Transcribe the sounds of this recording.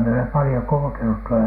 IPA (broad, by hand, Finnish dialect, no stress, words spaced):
mie olem pɑlĭjo kulŭkenut tuolɑ